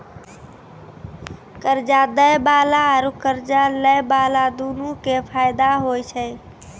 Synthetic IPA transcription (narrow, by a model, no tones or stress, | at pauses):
kəɾd͡ʒad̪əjbalaːɾukəɾd͡ʒaləjbalad̪unukepʰajd̪aɦojt͡ʃʰəj